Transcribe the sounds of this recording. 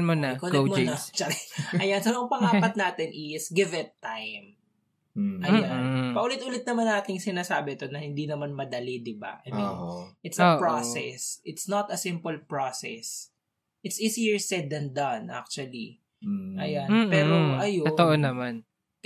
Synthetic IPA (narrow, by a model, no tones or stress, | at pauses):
nmonɐkonomonɐt͡ʃɐkɛʔɐjansɐnɐŋpɐŋaːppɐt̪̚naːt̪ɪnʔɪsɡɪvɪt̪ːajm | ʔɐjanpɐʔʊlɪt̪ʔulɪt̪̚nɐmanːaːt̪ɪŋsɪnaːsaːbɪt̪onɐhɪnd̪inɐmanmɐd̪ɐlid̪ɪba̰ʔɐjminʔɪt̪sɐpɹosɛsʔɪt̪snɐt̪ɐsɪ̃mpʊlpɹosɛ̰s | ʔɪt̪sʔisijəɹsɛd̪ɐnd̪ɐnʔa̰k̚t͡ʃuɐli | ʔɐ̰janːpɛːɾoʔɐjoot̪oʔonɐman